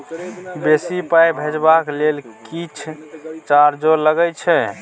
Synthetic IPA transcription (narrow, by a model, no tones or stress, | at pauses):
besipajbʱed͡ʒbaklelkit͡ʃʰt͡ʃaɾd͡ʒoləɡət͡ʃʰɛ